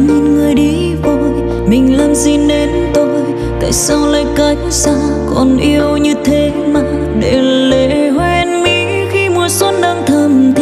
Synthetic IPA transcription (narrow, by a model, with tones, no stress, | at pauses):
ɲe˧nŋɨ˨˩əjɗi˨˦ | vo˧˨j | mï˨˩ŋ̟lə˧nzi˧˩nːe˨˦n | t̪o˧j | t̪a̰ː˧˨jsa˧wlaː˧jka˨˦jŋ̟sa˧w | kɔ˨˩nʔi˧əwɲɨ˧t̪ʰe˨˦maː˨˩ | ɗe˧˩le˧˨hwɛ˧nmi˧˨ | xi˧mu˨˧˩əsə˦˥t̚ɗə˧ŋt̪ʰə˨˩mt̪ʰ